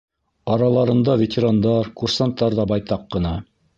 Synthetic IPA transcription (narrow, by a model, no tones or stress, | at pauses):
ɑɾɑlˠɑɾɤ̆nd̪ɑvʲetʲɪɾand̪ɑɾkursant̪ːɑɾðɑbɑjt̪ɑqːɤ̆nɑ